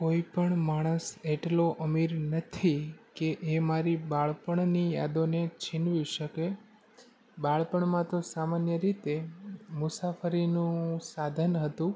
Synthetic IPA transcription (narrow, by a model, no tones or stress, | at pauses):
koipəɳmaɽ̃əseʈloʔəmiɾnət̪ʰikeʔemaɾibaɭpəɳnija̰d̪onet͡ʃʰinʋjũʃəke | baɭpəɳmãt̪osamanjəɾit̪emʊsafəɾinũsad̪ʱənɦət̪ũ